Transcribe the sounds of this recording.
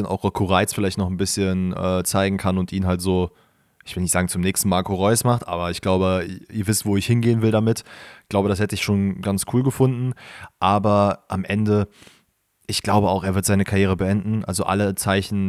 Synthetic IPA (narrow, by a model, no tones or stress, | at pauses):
ənʔa̰ʊxʁ̥ɔkʰoʁaɪsfɪlaɪçtnɔχn̩bɪsçənʔɛːt͡saɪɡŋ̩kʰanʊntʔiːnɦaltz̥oː | ʔɪçv̥ɪlnɪçtz̥aːɡŋ̩t͡sʊmnɛːkstn̩maːɐkʰoʁɔʏsmaχtʔa̰ːbɐɪçɡ̥laʊbəʔiːɐvɪstv̥oːɪçhɪnɡeːənvɪldamɪtɡ̥laʊbəɾashɛtəɪçʃoːnɡant͡skʰuːlɡəfʊndn̩ʔaːbɐʔamʔɛndə | ʔɪçɡ̥laʊbəaʊxeːɐɪɐtz̥aɪnəkʰaʁjeːʁ̞əbəʔɛndn̩ʔa̰lzoʔa̰lət͡saɪçn̩